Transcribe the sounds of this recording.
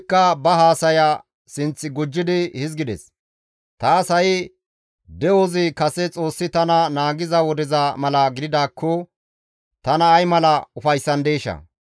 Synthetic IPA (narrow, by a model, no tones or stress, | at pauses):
kːɐbɐɦaːsɐja | sɪnt͡sːɪɡʊd͡ʒːɪd̪ɪhɪzɡɪd̪ɛ̰s | t̪ɐːsɐj | d̪ɛwɔzɪkɐsɛt͡sʼo̞ːsːɪt̪ɐnɐnaːɡɪzɐwɔd̪ɪzɐmɐlɐɡɪd̪ɪd̪aːkʰːɔ | t̪ɐnɐːjmɐlɐʊfɐjsːɐnd̪eːʃɐ̰